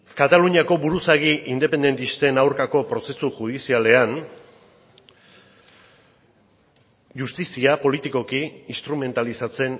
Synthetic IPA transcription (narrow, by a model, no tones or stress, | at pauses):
kat̪aluɲiako̞βuɾusaɣiʔind̪e̞pe̞nd̪e̞nt̪ist̪e̞nawɾkako̞pɾo̞se̞suʝuð̞isiale̞an | ʝust̪isiapo̞lit̪iko̞kiːst̪ɾume̞nt̪alisat͡se̞n